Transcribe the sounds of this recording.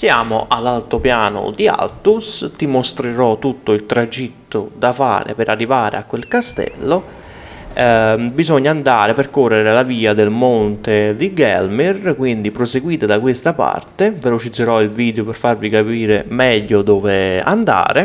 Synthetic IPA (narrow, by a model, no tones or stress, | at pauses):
sjaːmoʔalːalt̪opjaːnʊ̰d̪ia̰lt̪ust̪imost̪ɾeɾɔt̪ːut̪ːoilt̪ɾad͡ʒit̪ːʊd̪afa̰ːɾɪ̰peɾʔarːivaːɾḛakwelkast̪ɛ̰lːo | bizɔɲːaːnd̪aːɾeperkɔrːeɾelaviːad̪elmɔnt̪ed̪iɡɛlmirkwind̪ipɾoseɡwiːt̪ad̪akwest̪apa̰rt̪evelot͡ʃid̪zːeɾɔilviːd̪eopɪrfarvikapiːɾemɛʎːʊd̪ɔːvea̰nd̪a̰ːɾɪ